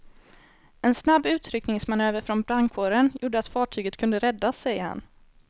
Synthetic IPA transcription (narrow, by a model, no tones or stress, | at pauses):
ɛnsnabːʉ̟ːt̪ʰɾʏknɪŋsmanøːvəɾfɾɔnbɾaŋkʰoːɾənjuːɖəat̪fɑːʈʰyːɡət̪kʰɵnd̪əɾɛd̪ːasːɛjəha̰n